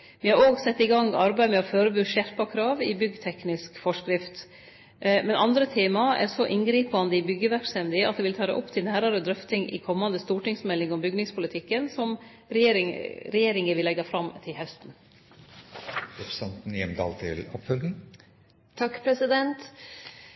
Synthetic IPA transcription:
ʋɪhɑɾoːɡsɛt̪ːɪɡɑŋːɑɾbæɪmɛɑføːɾəbʉːʃæɾpɑkʰɾɑːʋɪbʏɡːt̪ʰɛknɪskfɔʂkɾɪft̪ | mɛnɑnd̪ɾət̪ʰeːmɑɛ̰ɾsɔʔɪnɡɾiːpɑnd̪əɪbʏɡːəʋæɾkst̪ɛmd̪ɪɑ̰t̪̚d̪ɛʋɪlt̪ʰɑːɾɛ̰ʔɔpːt̪ʰɪlnæːɾɑɾəd̪ɾœft̪ɪŋʔɪ̰kʰɔmːɑnd̪əst̪uːʈɪŋsmɛlːɪŋɔmbʏɡnɪŋspʰʊlɪt̪ʰɪkːənsɔm | ɾeɾɪɾɛjeːɾɪŋəʋɪlɛɡːɑfɾɑmt̪ʰɪlhɛst̪n | ɾɛpɾsɑnt̪n̩jɛmd̪ɑ̰ːlt̪ʰɪ̰lɔpfœld̪n̩ | t̪ʰɑkːpʰɾɛsɪd̪ɛnt̪

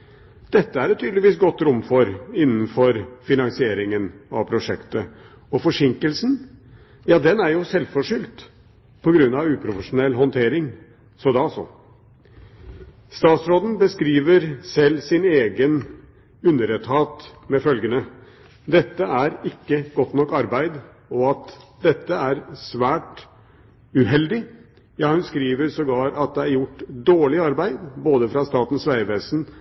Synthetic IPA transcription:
d̪̥ɛt̪ːəæɾɛt̪ʰːyːd̪lɪʋiːsɡɔt̪ːɾʊmːfɔɾɪnːn̩fɔɾfɪnɑŋsɪeːɾɪŋənɑ̰ʋpʰɾʊʂɛkt̪ə | ɔfɔʂɪŋkəlsn̩ | jɑːd̪ɛnæɾjʊsɛlfɔʂʏlt̪ | pʰɔɡɾʉnːɑʋʉːpʰɾʊfəʂʊnɛlːɦɔnt̪ʰeːɾɪŋ | sɔd̪ɛɑsɔ̰ | st̪ɑːt̪sɾoːd̪n̩bəskɾiːʋəɾsɛlːsɪneːɡən | ʉnːəɾət̪hɑːt̪mɛfœlɡənə | d̪ɛt̪ːəʔæɾɪkːəɡɔt̪ːnɔkːɑɾbæɪd̪ | ɔɑt̪d̪ɛt̪ːəæɾsʋæːʈ | ʉɦɛld̪ɪ | jɑːhʉnskɾiːʋəɾsɔɡɑːɾɑt̪̚d̪ɛæɾjʊʈːd̪oːɭɪɑɾbæɪd̪boːd̪əfɾɑst̪ɑːt̪n̩sʋæɪʋeːsn

